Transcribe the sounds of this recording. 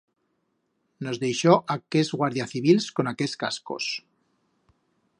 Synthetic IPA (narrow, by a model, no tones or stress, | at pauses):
no̞zðe̞jʃoʔakezɣwaɾðjaθiβilsko̞nakeska̰sko̞̰s